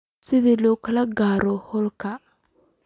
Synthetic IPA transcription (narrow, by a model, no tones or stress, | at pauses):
sɪðiːlɔːkʰɐlɐɡaːɾɔhɔlkʰɐ